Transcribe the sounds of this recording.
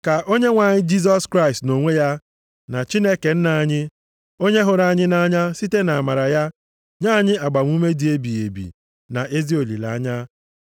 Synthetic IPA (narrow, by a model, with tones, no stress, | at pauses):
ka˨ʔo˦ɲe˦ŋʷa˨ɲɪ˦d͡ʒi˦s̬ɔ˦skɾa˦ɪ˨stno˨ŋʷe˦ja˦ | na˨t͡ʃi˦ne˦ke˨n̩˦na˨a˨ɲɪ˦ | o˦ɲe˦ɦʊ˨ɾa˦˨ɲɪ˦na˦ɲa˦si˦te˦na˨a˨ma˨ɾa˨ja˦ | ɲa˦ɲɪ˦a˨ɡ͡ba˨ŋʷ˦u˦me˦di˨e˦bi˨e˨bḭ˨ | na˨ʔe˦zi˦o˨lḭ˨la̰˨a˦ɲa˦